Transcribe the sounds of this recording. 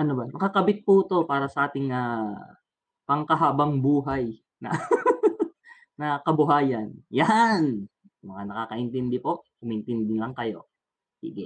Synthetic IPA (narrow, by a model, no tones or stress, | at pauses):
ʔɐnobɐmɐkɐkɐbɪt̪̚put̪o̞paːɾɐsɐʔaːt̪ɪŋaː | pɐŋkɐɦaːbɐŋbuːɦaj | nɐ̰ | nɐkɐbʊɦaːjɐnjan | mɐŋanɐkaːkɐʔɪnt̪ɛnd̪ɛpo̞ʔkʊmɐʔɪnt̪ɛnd̪ɪlɐŋkɐjo̞̰ | sḭːɡɪ